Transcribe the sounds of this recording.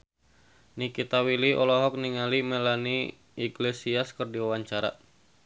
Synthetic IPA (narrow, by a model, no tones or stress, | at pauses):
nikit̪awiliʔɔlɔɦɔk̚niŋalimelani | iɡlesiaskɨrdiwawaɲt͡ʃaɾa̰